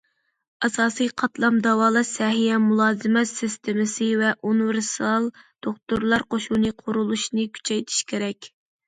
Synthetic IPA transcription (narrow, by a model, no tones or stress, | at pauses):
ɑsɑːsijqʰɑt̪lˠɑmd̪ɑwɑːlˠɑsɛɦijɛmulˠɑːzɨmɛt̪sɪst̪ʰemɪsɨvɛʔunɨvɪɾsɑlˠd̪̥oχt̪uɾlˠɑɾqoʃunɨqʰʊɾulˠuʃnɨkʲʰy̥t͡ʃʰɛjt̪ʰi̥ʃkʲʰeɾɛkʲ